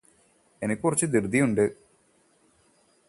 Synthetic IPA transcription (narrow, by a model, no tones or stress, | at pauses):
e̞nikʲːkurɐt͡ɕːɨd̪irɨd̪ʱːijuɳɖɨ